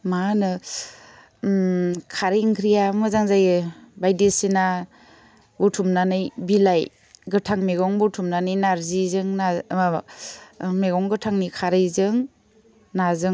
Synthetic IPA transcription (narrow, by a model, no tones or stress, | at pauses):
manɯ | kʰaɾijŋkʰɾijamɯzaŋzajbajdesina | butʰumnanɯjbilaj | ɡɯtʰaŋmeɡɔŋbutʰumnanɯjnaɾzizɯŋna | meɡɔŋɡɯtʰaŋnikʰaɾɯjzɯŋ | nazɯŋ